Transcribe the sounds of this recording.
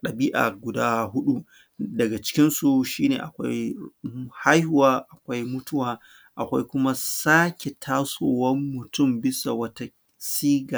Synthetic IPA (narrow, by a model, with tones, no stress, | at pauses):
ɗɐ˨biː˦ʔa̰ː˨ɡʷʊ˨daː˦ɦʊ˦ɗu˦ | dɐ˨ɡa˨t͡ʃɪ̥˦kʲɪ˦nsu˨ʃiː˦nḛː˨ʔa˨kʷa̰˦j | ha˦jhʊ˨waː˦ʔa˨kʷa˦jmʊ˦tʊ˦waː˨ | ʔa˨kʷa˦jkʷʊ˦ma˦saː˦kʲe˨tʰaː˦soː˨wɐ˦mːʊ˨tʊ˦˨mbɪ˦sa˨wɐ˦ta˦ | siː˦ɡa˨